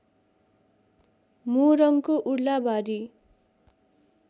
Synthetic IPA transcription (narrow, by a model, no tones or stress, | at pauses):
muɾʌŋkoʔuɽlabaɾi